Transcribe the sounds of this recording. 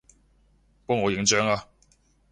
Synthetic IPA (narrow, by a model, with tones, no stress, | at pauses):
pɔ˥ŋɔː˨˧jɪ˨˥ŋt͡ʃœː˥ŋaː˧